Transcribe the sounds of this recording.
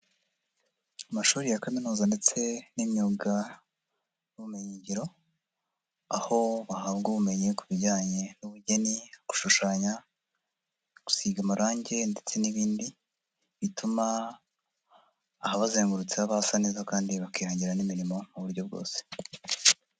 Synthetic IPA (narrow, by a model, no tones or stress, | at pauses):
amaʃuːɾijakaminuːzande̞t͡se̞nimɲuːɡa | nuβume̞ɲiɲɟiɾo̞ | aho̞βahaβɡuːβume̞ɲe̞kuβiɟaːɲe̞nuβuɟe̞niɡ̥u̥ʃuʃaːɲa | ɡ̥u̥siːɡamuɾaːɲɟe̞nde̞t͡se̞niβiːndi | βituma | haβazeːŋɡuɾut͡seaβahasaneːzakaːndiβakiɾaːɲɟiɾanimiɾimo̞muβuɾɟo̞b̚ɡo̞̰ːse̥